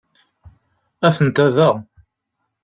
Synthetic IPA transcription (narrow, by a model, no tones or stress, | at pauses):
æθənt̪æðəʁ